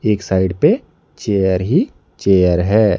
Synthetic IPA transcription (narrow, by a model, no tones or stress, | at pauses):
eːksaːɪɖpe | t͡ʃeːjəɾɦi | t͡ʃeːjəɾɦɛː